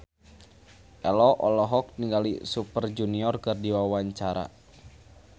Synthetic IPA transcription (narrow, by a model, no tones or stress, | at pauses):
ʔɛlɔʔɔlɔɦɔk̚niŋɡalḭsupərd͡ʒuniɔrkɨrdiwawaɲt͡ʃaɾa̰